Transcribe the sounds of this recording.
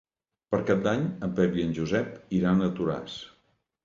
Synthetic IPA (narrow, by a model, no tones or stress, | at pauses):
pəɾkap̚d̪aɲəmpɛβiənʲʒuzɛpiɾanət̪uɾa̰s